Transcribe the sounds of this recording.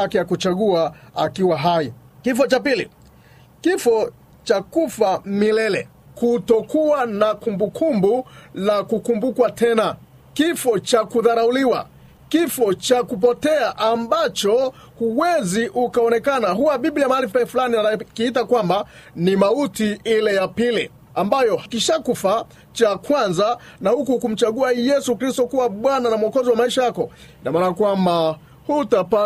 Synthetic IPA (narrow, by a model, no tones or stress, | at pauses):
akɛjakut͡ʃaɠuaakiwaɦai | kifɔt͡ʃapilḭ | kifɔ | t͡ʃakufamilɛlɛ | kutɔkuwanakumbukʰumbulakukumbukwatʰɛna | kifɔt͡ʃakuðaɾauliwa̰ | kifɔt͡ʃakup̬ɔtɛaʔambat͡ʃɔ | huwɛziʔukaɔnɛkanaɦuwaɓiɓliamaalifɛfulaniaakiitakwamba | nimautiilɛjapili | ambajɔkiʃakufa | t͡ʃakwanza | nahukukum̩t͡ʃaɠuajɛsukɾistɔkuwaɓwananamuɔkɔziwamaiʃajakɔ | inamaːnaakwamba | hutapa